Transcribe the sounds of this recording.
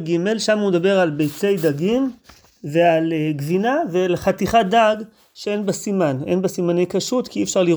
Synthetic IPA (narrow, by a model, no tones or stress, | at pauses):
ɡime̞lʃamumed̪abe̞ʁalbejt͡se̞jd̪aɡim | ve̞alɡvinavelχat̪iχad̪aɡ | ʃee̞nbasimanenbasimanejkaʃut̪kiifʃaʁliʁ